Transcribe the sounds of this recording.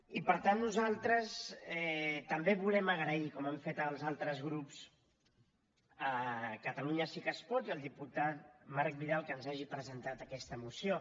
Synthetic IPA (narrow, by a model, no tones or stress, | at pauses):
ipəɾt̪anːuzalˠt̪ɾəsɛt̪əmbeβulɛməɣɾəikɔmɛmfet̪əlˠzalˠt̪ɾəzɣɾups | əkət̪əluɲəsikəspɔt̪iəlˠd̪iput̪at̪̚maɾk̚biðalˠkənzaʒipɾəzənt̪at̪əkɛst̪əmusio